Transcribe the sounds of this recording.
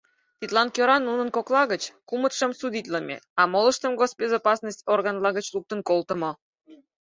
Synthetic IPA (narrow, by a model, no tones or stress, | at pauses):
t̪ʲit̪lɑnkjøɾɑnːunənkoklˠɑɣət͡ɕkumət̪ʃə̆msud̪ʲit̪ʲləmʲḛɑmoləʃt̪əmɣosbʲezɑpɑsnəsʲtʲorɣɑnlɑɣət͡ɕluk̚t̪ənkolˠt̪ə̆mo